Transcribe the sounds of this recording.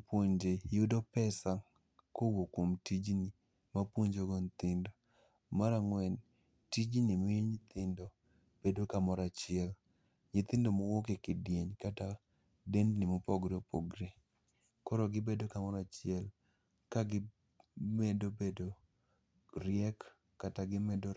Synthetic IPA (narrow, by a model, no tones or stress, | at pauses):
pwoɲd͡ʒejʊdɔpɛsa | kowokomtid͡ʒni | mapwoɲd͡ʒoɡont̪ɪndo | maɾaŋwɛn | tid͡ʒnimɲɪt̪ɪndo | b̥edokamɔɾat͡ʃɪɛl | ɲɪt̪ɪndomowokekɪdjeɲkata | dendnɪmopɔɡɾepɔɡɾe | kɔɾɔɡɪbedokamɔɾat͡ʃɪɛl | kaɡɪ | medobedo | ɾɪɛk | kːataɡɪmedo